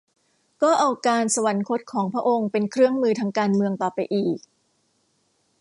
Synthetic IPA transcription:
kɔː˥˩ʔaː˧wkaː˧nsa˧wa˩˦nkʰo˦˥t̪̚kʰɔː˩˦ŋpʰɾa˦˥ʔo˧ŋpe˧nkʰɾɯ˥˩əŋmɯː˧t̪ʰaː˧ŋkaː˧nmɯ˧əŋt̪ɔː˨˩pa˧jʔiː˨˩k̚

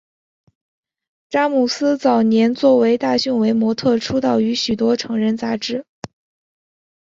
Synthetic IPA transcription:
ʈ͡ʂa˥mu˨˩sɹ̩˥t͡sɑ˨˩ʊnjɛ˧˥nt͡swɔ˥˩we˧˥ɪt̪a˥˧ɕy˥˩nwe˧˥ɪmwɔ˧˥t̪ʰɤ˥˩ʈ͡ʂʰu˥t̪ɑ˥˩ʊy˧˥ɕy˨˩t̪wɔ˥ʈ͡ʂʰɤ˧˥ŋɻə˥˧nt͡sa˧˥ʈ͡ʂɻ̩˥

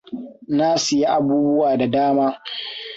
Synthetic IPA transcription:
naː˦sʊ˨ji˦ʔa˨buː˦bʊ˦waː˨da˨daː˦maː˦

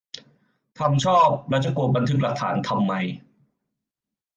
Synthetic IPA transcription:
t̪ʰa˧mt͡ɕʰɔː˥˩p̚ɾa˦˥t͡ɕa˨˧˩ku˧t̚ba˧nt̪ʰɯ˦˥k̚la˨˩k̚t̪ʰa̰ː˩˦nt̪ʰa˧mːa˧j

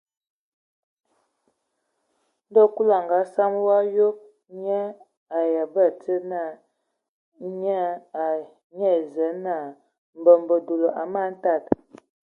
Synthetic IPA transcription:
n˦dɔ˦˨ku˦la˨ŋɡa˨˦sa˦m˦wa˦jo˦k̚ | ɲɛ˦ | a˨ja˨bə˦˨tə˦na˦˨ | ɲa˦a˨ | ɲɛ˦˨zə˨˦na˦˨ | m̩˨bə˨mbə˨do˨lo˨ʔa˨ma˦˨˦n̩˦ta˦˨t

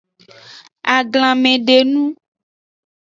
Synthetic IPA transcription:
a˨ɡlã˨mẽ˨ɖe˨nũ˦

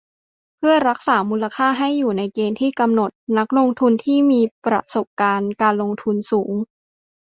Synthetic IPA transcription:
pʰɯ˥˩ɐɾa˦˥k̚saː˩˦muː˧la˧kʰaː˥˩ɦa˥˩jːuː˨˩na˧jkeː˧nt̪ʰiː˥˩ka˧mno˨˩t̪̚na˦˥k̚lo˧ŋt̪ʰu˧nt̪ʰiː˥˩miː˧pɾa̰˧so˨˩p̚kaː˧nkaː˧nlo˧ŋt̪ʰu˧nsuː˩˦ŋ

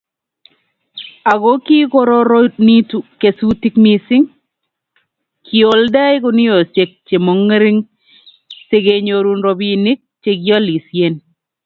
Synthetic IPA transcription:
a˨ɡo˦ki˦ko˦ɾo˦ɾo˦ni˦tu˨ke˨su˦ti˦kmi˨sɪ˦ŋ | kʰi˨o˨lda˦jko˨ni˦jo˨se˨k̚t͡ʃe˨mo˨ŋ˦ɾi˦ŋ | se˦ɡe˨ɲo˨ɾu˦nɾo˨bi˦ni˦k̚t͡ʃe˦ɡjɔ˦li˨sje˦n

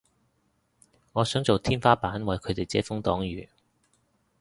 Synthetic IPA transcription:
ŋɔː˨˧sœː˨˥ŋt͡so˨wt̪ʰiː˥nfaː˥paː˨˥nwɐ˨jkʰɵ˨˧ɥt̪e˨jt͡sɛː˨˥fʊ˥ŋt̪ɔː˨˥ŋjyː˨

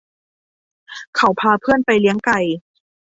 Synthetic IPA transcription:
kʰa˨˧˩wpʰaː˧pʰɯ˥˩ənpa˧jli˧˦˥əŋka˨˩j

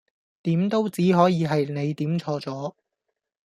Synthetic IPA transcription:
t̪iː˨˥mt̪o˥wt͡siː˨˥ɦɔː˨˥jiː˨˧ɦɐ˨jne˨˧jt̪iː˨˥mt͡ʃʰɔː˧t͡sɔː˨˥

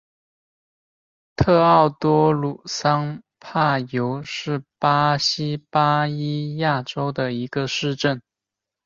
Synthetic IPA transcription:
t̪ʰɤ˥˧ɑ˥˩ʊt̪wɔ˥lu˨˩sɑ˥ŋ | pʰa˥˩jo˧˥ʊʂɻ̩˥˩pa˥ɕi˥pa˥i˥ja˥˩ʈ͡ʂo˥ʊd̪ə˨i˧˥ɡə˧ʂɻ̩˥˧ʈ͡ʂə˥˩n

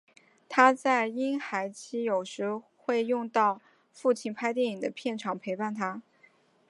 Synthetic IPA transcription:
t̪ʰa˥t͡sa˥˩ɪi˥nxa˧˥ɪt͡ɕʰi˥jo˨˩ʊʂɻ̩˧˥xwe˥˧ɪjʊ˥˧ŋt̪ɑ˥˧ʊ | fu˥˩t͡ɕʰi˧˩npʰa˥ɪt̪̬jɛ˥˩ni˨˩d̪ə˦pʰjɛ˥˩nʈ͡ʂʰɑ˨˩ŋpʰe˧˥ɪpa˥˩nt̪ʰa˥

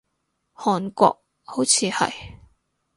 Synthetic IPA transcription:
hɔː˨nkʷɔ̰ː˧k̚ | ho˨˥wt͡sʰiː˨˧hɐ̰˨j

